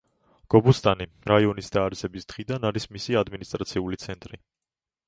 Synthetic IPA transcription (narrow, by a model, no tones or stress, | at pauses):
ɡ̥ɔbust̪ʼani | ɾaiɔnisd̪aːɾɛsɛbisd̪̥ʁid̪anaɾismisiad̪minist̪ʼɾat̪sʰiulit̪sʰɛnt̪ʼɾi